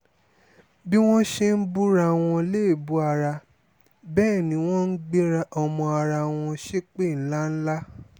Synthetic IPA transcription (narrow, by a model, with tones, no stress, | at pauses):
bi˦w̃ɔ̃˦ʃe˦n̩˦bu˦ɾa˧w̃ɔ̃˧le˦˨bu˨˦a˧ɾa˧ | bɛː˦˨nĩ˨˦w̃ɔ̃˦n̩˦ɡ͡be˦ɾa˧ʔɔ˧mɔ̃˧a˧ɾa˧w̃ɔ̃˧ʃe˦k͡pe˦˨n̩˦la˦n̩˦la˦